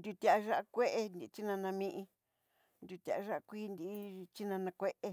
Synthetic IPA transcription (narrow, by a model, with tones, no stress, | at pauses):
nd̪ʲu˧t̪ʲa˨a˧ʒa˦a˦˧kʷe˦ʔe˧ni˧t͡ʃi˦nã˧nã˧mĩ˧ʔĩ˧ | nd̪ʲu˧t̪ʲa̰˨ʔa˧ʒa˦ʔa˧kʷiː˦˧nd̪i˦t͡ʃi˦nã˧nã˧kʷe˦ʔe˧